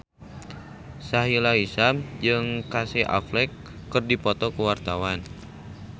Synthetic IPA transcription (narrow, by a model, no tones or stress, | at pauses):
saɦilaisamd͡ʒɨŋkasiʔa̰flɛkː | ɨrdipɔt̪ɔkuwart̪awan